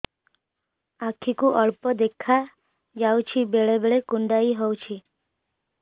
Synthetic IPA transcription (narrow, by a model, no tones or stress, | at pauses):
akʰikuʔəɭpɔd̪ekʰa | d͡ʒawt͡ʃʰibeɭebeɭekuɳɖaiɦɔwt͡ʃʰi